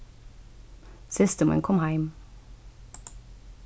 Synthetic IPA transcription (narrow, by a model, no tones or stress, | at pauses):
sɪst̪əmə̰nkʰɔmhæɪm